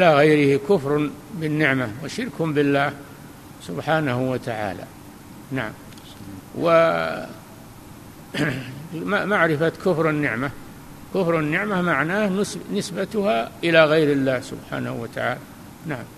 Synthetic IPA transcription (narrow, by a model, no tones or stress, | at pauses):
ʔɪlaɣajɾɪhikʊfɾˤʊ | bɪnːɪʕmawɪʃɪɾkʊmbɪlːaːh | sʊbħaːnahuwat̪aʕa̰ːla̰ | naʕam | wɪ | mamaʕɾɪfat̪kʊfɾˤɪnːɪʕma | kʊfɾˤɪnːɪʕmahmaʕnaːhsnɪsbat̪ʊhaʔɪlaɣajɾɪlːaːhsʊ̰bħa̰ːnahṵwat̪a̰ʕa̰ːla | naʕam